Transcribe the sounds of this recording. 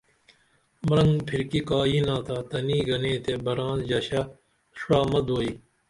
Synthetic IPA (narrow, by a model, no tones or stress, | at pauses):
mɐɾɐŋɡpʰiɾkikaːiːnaːt̪aːt̪ɐniːɡɐneːt̪ebɐɾaːnd͡ʑɐɕa | ʂɾaːmɐd̪oːiː